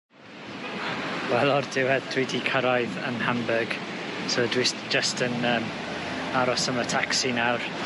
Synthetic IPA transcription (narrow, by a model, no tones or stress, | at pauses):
wɛlˠɔrd̥ɪwɛðdwidikʰəɾajðənhambəɡ̥sodwisd͡ʒ̥əstənəːm | aɾɔsəmətʰaksinawr